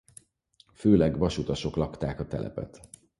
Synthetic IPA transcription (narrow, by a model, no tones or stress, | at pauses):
føːlɛɡʋɒʃut̪ɒʃo̞klɒkt̪aːkɒt̪ɛ̰lʔɛ̰pɛ̰t̪